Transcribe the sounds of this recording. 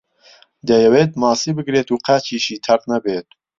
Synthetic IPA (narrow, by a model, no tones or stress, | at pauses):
d̪ɐjɐweːt̪̚mɑːsiːbɨɡɾeːt̪uːqaːt͡ʃiːʃiːt̪ʰɐɾt̪nɐbeːt̪̚